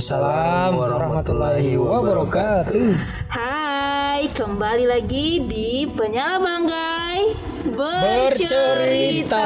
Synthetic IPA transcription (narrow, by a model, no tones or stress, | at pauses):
salamwaɾɔmat̪ulaiwwabɔɾɔkat̪u | ha | jkəmbalilaɡidipəɲalabaŋɡaj | bəbərt͡ʃət͡ʃoɾit̪aa